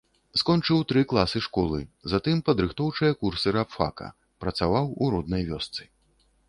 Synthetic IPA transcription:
skɔnt͡ʂɨwt̪ɾɨklˠasɨʂkɔlˠɨzat̪ɨmpɐd̪ɾɨxt̪ɔwt͡ʂɨjɐkursɨɾapfa̰kɐ̰ | pɾɐt̪savawuɾɔd̪̚nɐjvʲɔst̪sɨ̥

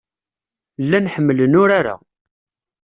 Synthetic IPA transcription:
lːænħəmːələnʊɾaɾa̰

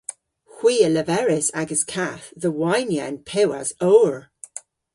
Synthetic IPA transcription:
hw̥iːələvɛɹɪsaɡəz̥kʰaθðəwajnjanpʰɛwa̰z̥oːəɹ

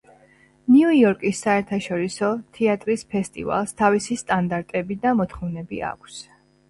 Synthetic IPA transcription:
niuɔɾkʼisːaɛɾt̪ʰaʃɔɾisɔt̪ʰɛat̪ʼɾispʰɛst̪ʼḭva̰lˠst̪ʰavisist̪ʼand̪aɾt̪ʼɛbid̪amɔt̪ʰχɔvnɛbia̰kʷʰs

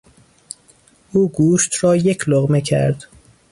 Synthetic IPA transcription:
ʔuːɡuːʃt̪ɾɒːje̞cʰloɣmecʰæ̰ɾd̪̥

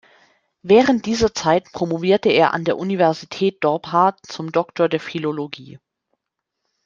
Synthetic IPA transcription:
vɛːʁənt̚d̥iːzɐt͡saɪtpʁ̥omoviːɐtəḛːɐʔa̰ndeːɐʔunivɛɐzitʰɛːt̚d̥ɔɐpɦaɐtt͡sʊmdɔktʰoːɐdeːɐfiloloɡḭː

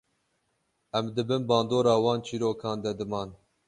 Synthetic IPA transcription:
ʔɛmd̪ɨbɨnbɑːnd̪oːɾɑːwɑːnt͡ʃʰiːɾoːkʰɑːnd̪ɛd̪ɨmɑːn

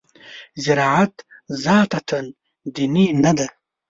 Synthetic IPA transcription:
zɪɾɑːʕat̪zaːt̪at̪ʰɐn | d̪ininɐd̪a

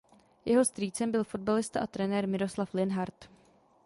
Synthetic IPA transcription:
jɛɦo̞st̪ɾiːt͡sɛmbɪlfod̪̚balɪst̪aʔat̪ɾɛnɛːɾmɪɾoslaflɪnɦaɾt̪

